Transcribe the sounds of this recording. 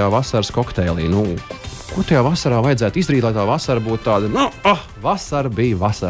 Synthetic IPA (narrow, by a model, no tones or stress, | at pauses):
aːvasaɾskɔkt̪ɛːlˠḭːnuːku̥ | kut̪ajaːvasaɾaːvajɛd̪zæːt̪izd̪ɾiːt̪lˠajt̪aːvasaɾbuːt̪̚t̪ːaːd̪ɐnuaxvasaɾbijvasa